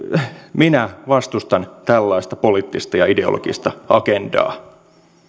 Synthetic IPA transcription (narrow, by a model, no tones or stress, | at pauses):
minæʋɑst̪ust̪ɑnt̪ælːɑist̪ɑpoliːt̪ːist̪ɑjɑide̞o̰lo̰ɡ̥ist̪ɑɑkendɑ̰ː